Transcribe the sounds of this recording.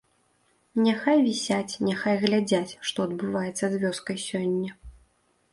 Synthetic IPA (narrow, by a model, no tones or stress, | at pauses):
nʲɛxajvʲisʲat͡sʲnʲɛxajɣlʲad͡zʲat͡sʲʂt̪ɔɐd̪̚bɨvajɛt̪sːɐzvʲɔskɐjsʲɔnʲːɐ